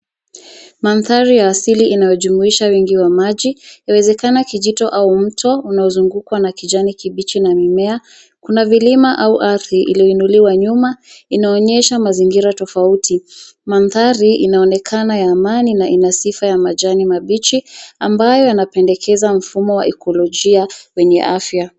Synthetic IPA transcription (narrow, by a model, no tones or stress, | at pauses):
manθaɾijaːsiliʔinajɔʄumuiʃawiŋɡiwamaʄijawɛzɛkanakiʄitɔʔaum̩tʰɔunaɔzuŋɡukwanakid͡ʒanikiɓit͡ʃinamimɛa | kunavilimaʔauʔaθɾiʔḭliɔinuliwaɲumainaɔɲɛʃamaziŋɡiɾatɔfauti | manθaɾiinaɔnɛkʰanajaːmaninaʔinasifajamaʄanimaɓit͡ʃiambajɔjanapɛndɛkʰɛzam̩fumɔwa̰ʔɛkʰɔlɔʄiawɛɲɛ̰ʔafja